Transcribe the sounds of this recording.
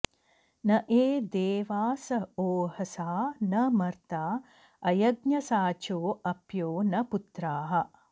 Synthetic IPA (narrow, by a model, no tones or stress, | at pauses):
nɐʔeːd̪eːʋaːsɐoːhɐsaːnɐmɐɾt̪aː | ɐjɐɡɲɐsaːt͡ʃoːɐpjoːnɐput̪ɾaːɦɐ̆